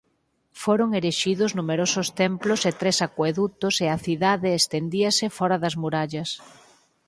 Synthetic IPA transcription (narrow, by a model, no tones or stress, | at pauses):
foɾoŋeɾeʃiðʊznumeɾosʊst̪emplʊset̪ɾesakweðut̪ʊseɐθiðaðeːst̪end̪iɐsɪfɔɾɐðɐzmuɾaʎɐs